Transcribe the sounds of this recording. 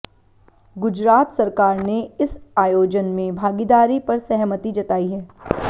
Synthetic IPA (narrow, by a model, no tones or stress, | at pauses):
ɡʊd͡ʒɾaːt̪sɐɾkaːɾneɪsaːjoːd͡ʒənmẽbʱaːɡid̪aːɾipɐɾsɛɦmət̪id͡ʒɐt̪aːiɦɛː